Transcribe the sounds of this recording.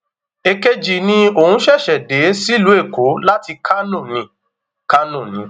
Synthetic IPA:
e˧ke˦d͡ʒi˨nĩ˦o˨hũ˦ʃɛ˦˨ʃɛ˨de˨˦si˦˨lu˨˦e˦˨ko˨˦la˦ti˧kʰa˦nũ˦˨nĩ˨˦ | ka˦nũ˦˨nĩ˨˦

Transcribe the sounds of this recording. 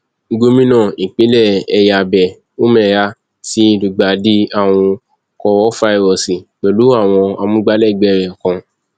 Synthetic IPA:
ɡo˧˦mĩ˦nã˦˨i˨k͡pi˨˦lɛ˦˨ɛ˧ja˧˨bɛ˨ | o˦mɛ̃˦˨ɾa˧˦ | ti˨˦lu˨ɡ͡ba˨di˦a˦˨w̃ɔ̃˧ | kɔ˧wɔ˦fa˦i˨wɔ˨si˨k͡pɛ˨lu˨˦a˦˨w̃ɔ̃˧a˧mũ˦ɡ͡ba˦lɛ˦˨ɡ͡bɛ˨˦˨ɾɛ˨kã˧

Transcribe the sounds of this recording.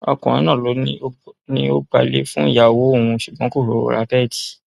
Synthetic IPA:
ɔ˧kɔ̃˨ĩ˦nã˦˨lo˨˦nĩ˦nĩ˦o˦ɡ͡ba˧le˦fũ˦i˦˨ja˨wo˨˦o˦˨wũ˧ʃu˨ɡ͡bɔ̃˨˦ko˦˨ɾo˨ɾo̰˦˨ɾa˨˦tɛ˦˨ti̥˨

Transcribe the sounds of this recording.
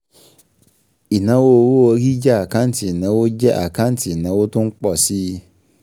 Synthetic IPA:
i˨nã˨˦wo˦˨wo˦o˨ki˦d͡ʒɛ˦a˨kã˦n̩˦ti˨nã˨˦wo˦d͡ʒɛ˦ʔa̰˨kã˦n̩˦ti˨nã˨˦wo˦tʊ̃˦ŋ̩˦k͡pɔ˦˨si˦

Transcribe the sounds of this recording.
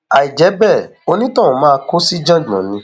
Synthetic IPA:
a˨i˨d͡ʒɛ˨˦bɛ˦˨o˧nĩ˦tã˦˨ũ˨mãː˦˧ko˦si˦d͡ʒã˦˨d͡ʒmã˨nĩ˨˦

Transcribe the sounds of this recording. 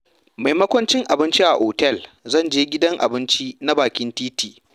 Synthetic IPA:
ma˨jmɐ˦kʷɐ˦nt͡ʃɪ˦ŋʔa˨bɪ˦nt͡ʃi˦ʔa̰˨ʔoː˨tɛ˦˨lzɐ˦˨nd͡ʒeː˦ɡʲɪ˦dɐ˦ŋʔa̰˨bɪ˦nt͡ʃi˦na˦baː˨kʲɪ˦ntiː˦tiː˨

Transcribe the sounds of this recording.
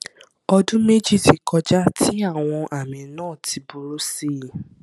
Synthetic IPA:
ɔ˧dũ˦me˦d͡ʒi˦˨ti˨kʰɔ˧d͡ʒa˦ti˦a˦˨w̃ɔ̃˧ʔa˨mĩ˨˦nãː˦˨tʰi˧bu˧ɾo˦si˦˨

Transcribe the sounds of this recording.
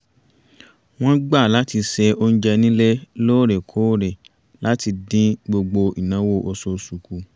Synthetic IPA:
w̃ɔ̃˦ɡ͡ba˦˨la˨˦ti˧sɛ˧o˧n̩˦d͡ʒɛ˧nĩ˦le˦loː˦˨ɾɛ˨kʰo˨˦ɾɛ˨ | la˨˦ti˧dĩ˦ɡ͡bo˧ɡ͡bo˧i˨nã˨˦wo˦˨ʔo˧so˧su˨ku˧

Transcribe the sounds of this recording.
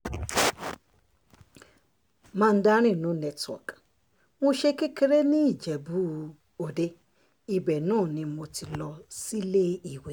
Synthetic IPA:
mãː˦˧n̩˦da˦ɾ̃ĩ˦˨nũ˨˦nɛ˧twɔ̰˨k | mõ˧ʃe˧ki˦ke˧ɾe˦nĩ˦i˦˨d͡ʒɛ˨bu˦ | o˨de˧ | i˨bɛ˨nãː˦˨nĩ˧mo˧ti˧lɔ˧si˦le˦i˨we˨

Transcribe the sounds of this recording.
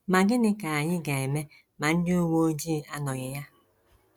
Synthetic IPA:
ma˨ɡɪ˦nɪ˦ka˨a˨ɲɪ˦ɡa˨e˨me˦ | ma˨n̩˦dɪ˦o˦wo˦o˦d͡ʒi˦˨a˦nɔ˨ɲɪ˨ja˦

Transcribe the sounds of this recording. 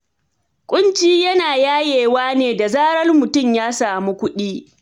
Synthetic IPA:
kʷʼʊ˦nt͡ʃiː˦jɐ˦naː˨jaː˦jeː˨waː˦neː˨da˨zaː˦ɽɐ˦rmʊ˨tʊ˦mjaː˦saː˨mu˦kʷʊ˦ɗiː˦

